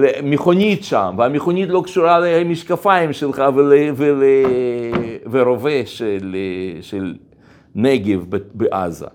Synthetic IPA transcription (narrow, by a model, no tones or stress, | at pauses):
lemeχonʲit̪ʃamveameχonʲit̪lo̞kʃuɾalemiʃkafaimʃelχavelevele | veɾoveʃeleʃel | neɡevbebeʔa̰za̰